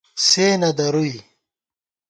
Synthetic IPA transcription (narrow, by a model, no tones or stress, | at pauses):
seːnɐd̪ɐɾui